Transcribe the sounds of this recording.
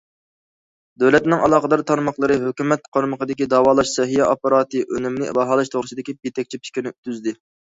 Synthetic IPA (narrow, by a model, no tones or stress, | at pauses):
d̪ɛlɛt̪nɪŋɑlˠɑːqəd̪ɑɾt̪ʰɑɾmɑχlˠəɾɨɦøkʲymɛt̪̚qʰoɾməqəd̪ɪkʲid̪ɑːwɑːlˠɑʃsɛɦijɛʔopɑɾɑːt̪ɨʔønɪmlɪbɑɦɑːlˠɨʃt̪ʰoʁɾɨsɨd̪ɪkʲib̚et̪ʰɛk̚ʲt͡ʃʰipʰi̥kʲinɪyt̪ʰyzd̪ɪ